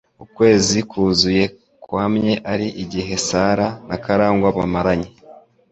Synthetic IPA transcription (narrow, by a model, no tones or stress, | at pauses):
ukwe̞ːzikuːzuje̞ | kwaːmɲe̞ʔaɾiʔiɟiɦe̞saːɾanakaɾaːŋɡwaβamaɾaɲe